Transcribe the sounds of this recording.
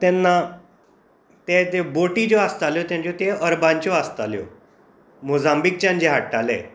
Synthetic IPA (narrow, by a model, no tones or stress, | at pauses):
t̪ɛnːa | t̪et̪eboʈid͡ʑoast̪aljot̪jãɲt͡ɕjot̪eəɾbãɲt͡ɕjoast̪aljo̰ | mozãmbik̚t͡ɕãnd͡ʑeɦaʈːalḛ